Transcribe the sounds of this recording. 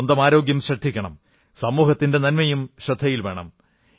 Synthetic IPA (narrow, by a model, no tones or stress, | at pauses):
ond̪ɐmaːɾo̞ːɡjɐmɕɐd̪ʰʱːikʲːɐɳɐm | sɐmːuːhɐt̪ːinde̞nɐnmɐjumɕɐd̪ʱːɐjilʋe̞ːɳɐ̰m